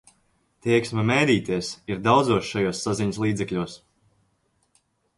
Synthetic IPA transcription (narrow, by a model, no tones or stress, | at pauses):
t̪iɛksmɐmɛjd̪iːt̪iɛsiɾd̪awd̪zuɔsʃajoɔsːaziɲslˠiːd̪zɛklʲuɔs